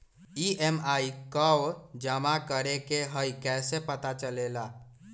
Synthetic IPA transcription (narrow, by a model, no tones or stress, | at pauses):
iemaikəwd͡ʒəmakəɾekeɦəjkɛsepət̪at͡ʃəlela